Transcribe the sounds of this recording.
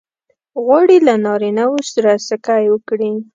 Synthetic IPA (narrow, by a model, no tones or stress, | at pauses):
ɣwɑɽilanɑɾinawosaɾasakajwəkɽi